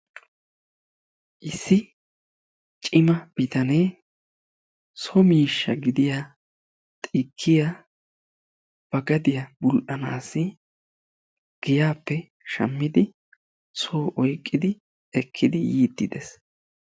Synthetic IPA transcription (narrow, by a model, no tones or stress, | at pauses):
ʔɪsːɪ | t͡ʃʼɪmɐb̥ɪt̪ɐneː | sɔmiːʃːɐɡɪd̪ɪja | t̪ʼiːkʰːɪja | b̥ɐɡɐd̪ɪjabʊlʔɐnaːsːɪ | ɡ̥ɪjaːpːɛ | ʃɐ̰mːɪd̪ɪ | soːʔɔjkʼːɪd̪ɪ | ɛkʰːɪd̪ɪjiːd̪ːɪd̪es